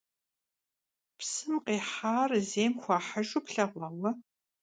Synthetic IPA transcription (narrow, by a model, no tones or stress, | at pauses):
psɨmqeːħaːrzeːmxʷɑːħaʒʊpɬɐʁʷɐwɐ